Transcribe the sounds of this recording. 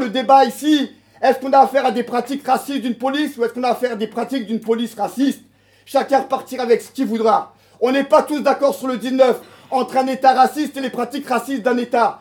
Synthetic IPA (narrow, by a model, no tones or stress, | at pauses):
ləd̪ebaisi | ɛskɔ̃naːfɛʁad̪epχat̪ikʁasist̪̚d̪ynpɔlisuɛskɔ̃naːfɛʁad̪epχat̪ik̚d̪ynpɔlisʁasist̪ | ʃakʲɛ̃ʁəpaʁt̪iʁavɛksə̥kʲilvud̪ʁa | ɔ̃nɛpat̪usd̪akɔʁsyʁləd̪iznœf | ɑ̃t̪χɛ̃net̪aʁasist̪elepχat̪ikʁasist̪̚d̪ɛ̃net̪a